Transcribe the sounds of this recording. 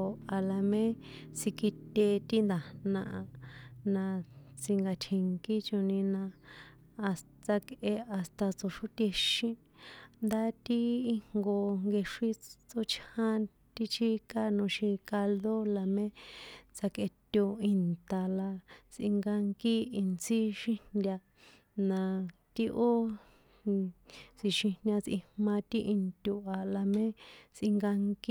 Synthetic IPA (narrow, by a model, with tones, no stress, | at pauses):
a˨la˧mẽ˦t͡si˧ki˧t̪e˧t̪i˦nd̪a˨nã˧ʔa˧nã˧t͡si˧ŋɡa˧t͡ʃʰi˧ŋki˦t͡ʃo˧nĩ˧nã˧ | a˧s | t͡sa˧kʔe˧a˨st̪a˧t͡so˨ʂu˦t̪ʲe˧ʃĩ˧ | nd̪a˦t̪i˦i˦ŋɡo˧ŋɡe˧ʂi˦t͡so˧t͡ʃhã˦ | t̪i˦t͡ʃi˦ka˦nõ˧ʃĩ˧ka˧lðo˦la˧mẽ˦t͡sa˧ke˧t̪ʲo˧i˧nt̪a˨la˧t͡sʔḭ̃˧ŋɡa˧ŋki˦i˧nt͡si˦ʃĩ˦ndʲa˧ | nã˧t̪i˦ʔo˦ | t͡si˧ʃĩ˧nʲã˧t͡sʔĩ˧mmã˧t̪i˦ʔi˧nt̪ʲu˧ʔa˨la˧mẽ˦t͡sʔĩ˧ŋɡa˧ŋki˦